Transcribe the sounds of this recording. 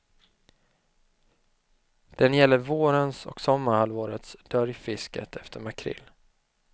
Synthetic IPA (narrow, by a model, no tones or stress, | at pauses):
d̪̥ɛnjɛlːəɾvoːɾənsɔ̰ksɔmːəɾhalvoːɾət̪sd̪̥œɾjfɪskə̰t̪ʰɛft̪ʰəɾmakʰɾɪ̰lː